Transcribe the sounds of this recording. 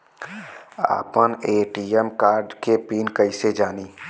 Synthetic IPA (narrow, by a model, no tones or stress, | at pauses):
a̰ːpəneːʈiɛmkaːɾɖkepiːnkəɪsed͡ʒaːni